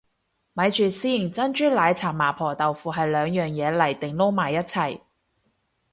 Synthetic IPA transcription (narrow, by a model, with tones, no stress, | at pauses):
mɐ˨˧jt͡ʃyː˨siː˥˩nt͡sɐ˥nt͡ʃyː˥laː˨˧jt͡sʰaː˨˩mːaː˨˩pʰɔː˨˩t̪ɐ˨wfuː˨ɦɐ˨jlœː˨˧ŋjœː˨ŋjɛː˨˧lɐ˨˩jt̪ɪ˨ŋlo˥wmaː˨˩jːɐ˥t̚t͡sʰɐ˨˩j